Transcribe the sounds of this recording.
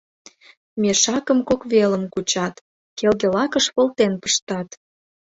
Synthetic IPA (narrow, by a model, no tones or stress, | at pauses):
meʃɑkəmkokβeləmkut͡ɕɑt̪ | kelɣelɑkəʃpolt̪enpə̥ʃt̪ɑt̪